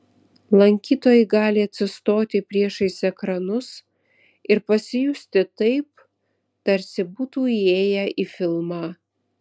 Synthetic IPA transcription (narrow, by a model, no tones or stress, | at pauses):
lˠɐŋʲkʲiːt̪oːjɛɪɡɑːlʲɪɐt̪ʲsʲɪst̪oːt̪ʲɪpʲɾʲiɛʃɐɪsɛkɾɐnʊs | ɪɾpɐsʲɪjʊsʲt̪ʲɪt̪ɐɪp̚ | t̪ɐɾʲsʲɪbuːt̪uːieːjɛʔiːfʲɪlˠmɑː